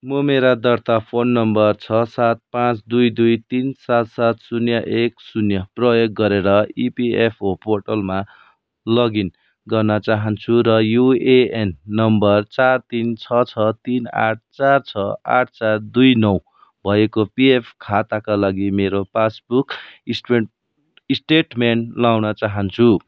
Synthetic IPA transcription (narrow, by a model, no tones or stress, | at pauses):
mʌmeɾad̪ʌrt̪apʰonːʌmbʌrt͡sʰʌsat̪̚pãt͡sd̪ujd̪ujt̪insat̪sat̪sunjʌʔeksunjʌprʌjoɡːʌɾeɾʌipiepʰoporʈʌlma | lʌɡin | ɡʌrnʌt͡saɦʌnt͡sʰuɾʌjueenːʌmbʌrt͡sart̪int͡sʰʌt͡sʰʌt̪ina̰ʈ̚ʰt͡sart͡sʰʌa̰ʈ̚ʰt͡sard̪ujnʌw | bʱʌjekopiepʰkʰat̪akalaɡimeɾopasbuk | isʈeʈmenlawnʌt͡saɦʌnt͡sʰu